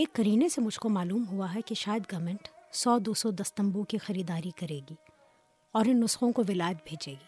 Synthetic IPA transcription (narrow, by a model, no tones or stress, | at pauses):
eːkːɐɾiːnesemʊd͡ʒʱkomaːluːmɦuaɦɛkiʃaːjəd̪ɡɐmə̃ɳʈsɔːd̪oːsɔd̪ɐst̪ɐ̃mbukixɐɾiːd̪aːɾikɐɾeːɡiː | ɔːɾɪnːʊsxõkoʋɪlaːjət̪̚bʱeːd͡ʒeːɡiː